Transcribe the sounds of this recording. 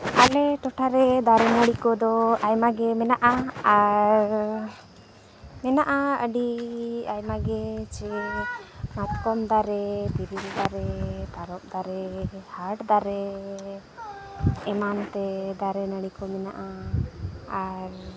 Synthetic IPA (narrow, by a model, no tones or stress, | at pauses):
alɛʈɔʈʰaɾɛd̪aɾɛnəɽikɔd̪ɔajmaɡɛmɛnaʔaaɾ | mɛnaʔaəɖiajmaɡɛt͡ʃɛ | mat̪̚kɔmd̪aɾɛt̪iɾiɾd̪aɾɛt̪aɾɔp̚d̪aɾɛhaʈd̪aɾɛ | ɛmant̪ɛd̪aɾɛnəɽikɔmɛnaʔa | aɾ